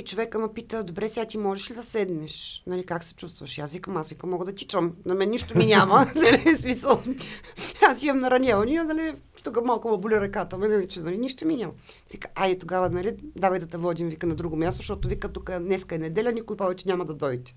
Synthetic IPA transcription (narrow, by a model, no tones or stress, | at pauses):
it͡ʃovɛkəmɐpit̪əd̪obɾɛsɛat̪imɔʒɛʃlid̪ɐsɛd̪nɛʃnɐlikaksɛ̥t͡ʃust̪vɐʃiasvikəmasvikəmːɔɡəd̪ɐt̪ʲit͡ʃəmnɐmɛnɛniʃt̪ominʲamɐnɐlismisəlˠ | asimɐmnɐɾɐnʲavɐnʲiɐnɐlʲi | t̪ukəmalˠkʊmɐbolʲuɾɐkat̪əmɛnɐlit͡ʃɛnɐliniʃt̪ominʲamɐvikəʔait̪oɡavənɐlid̪avɐjd̪ɐt̪ɛvɔd̪ʲimvikənɐd̪ɾuɡomʲjast̪oʃt̪ɔt̪ovikət̪ukənɛskəɛnɛd̪ɛlʲɐnʲikʊjpɔvɛt͡ʃɛnʲamɐd̪ɐd̪ɔjt̪ɛ